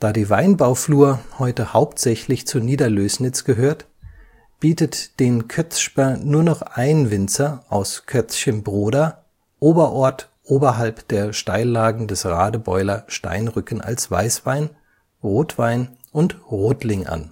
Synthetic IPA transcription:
d̥aːdiːvaɪnbaʊfluːɐhɔʏtəhaʊptz̥ɛçlɪçt͡suniːdɐløːsnɪt͡sɡ̥əɦøːɐt | b̥iːtətd̥eːnkʰœt͡sʃpɛɐnuːɐnɔχʔaɪnvɪnt͡sɐʔaʊskʰœt͡sçənbʁoːda | ʔoːbɐʔɔɐt | ʔoːbɐɦalpd̥eːɐʃtaɪllaːɡŋ̩dɛsʁaːdəbɔʏlɐʃta̰ɪnʁʏkn̩ʔa̰lsv̥a̰ɪsv̥aɪn | ʁoːtv̥aɪnʔʊntʁoːtlɪŋʔa̰n

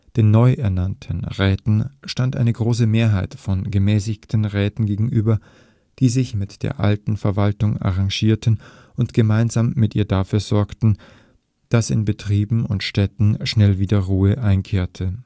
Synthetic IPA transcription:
d̥eːnːɔʏʔɛɐnantʰənʁɛːtn̩ʃtantʔa̰ɪnəɡʁoːs̬əmeːɐɦaɪtfɔnɡəmɛːsɪçtʰn̩ʁɛːtn̩ɡeːɡŋ̩ʔyːbɐ | d̥iːzɪçmɪtd̥ḛːɐʔa̰ltn̩fɛɐvaltʊŋa̰ʁaŋʒiːɐtən̩ | ʔʊntɡ̥əmaɪnzaːmːɪtʔiːɐdafyːɐzɔɐktn̩ | d̥asɪ̰nbətʁ̥iːbm̩ʊ̰ntʃtɛtn̩ʃnɛlviːdɐʁuːəʔaɪnkʰeːɐtʰə

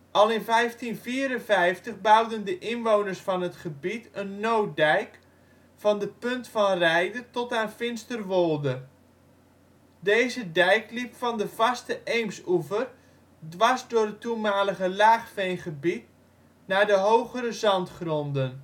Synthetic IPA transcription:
ʔɑlˠɪnvɛjftinfiːəɾənvɛjftəχbɑwdəndəʔɪnʋownərsfɑnətχəbitʰənːow̚dɛjk | fɑndəpɵntfɑnrɛjdətɔtaːnfɪnstərʋolˠdə | deːzədɛjklipfɑndəv̥ɑstəʔejmsuvər | dʋɑsdʊːrdətumaːləɣəlaːχfejnχəbit̚ | naːdəɦowχəɾəzɑntχrɔndən

